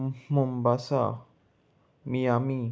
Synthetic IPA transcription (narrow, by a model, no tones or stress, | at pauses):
mumbasa̰ | miami